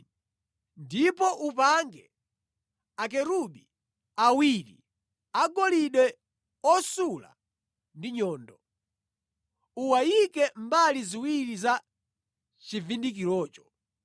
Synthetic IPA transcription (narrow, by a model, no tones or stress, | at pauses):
ndipɔʔupaŋɡɛ | akɛɾuɓi | awiɾḭ | aɡɔliɗwɛ | ɔsula̰ | ndiɲɔːndɔ | uwajikɛmbaliziwiɾiza | t͡ʃivindikilɔːt͡ʃɔ̥